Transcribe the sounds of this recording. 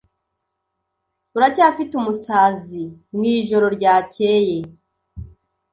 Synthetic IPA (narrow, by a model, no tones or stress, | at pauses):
uɾacaːfitumusaːzimwiːʒo̞ɾo̞ɾɟaːce̞ːje